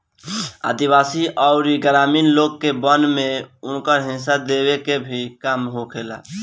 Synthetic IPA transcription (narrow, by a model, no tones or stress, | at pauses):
a̰d̪iβasiʔaʊɾiɡɾaminloɡ̚kːebənmeunkəɾɦĩnsad̪eβekebʱikamɦokʰela̰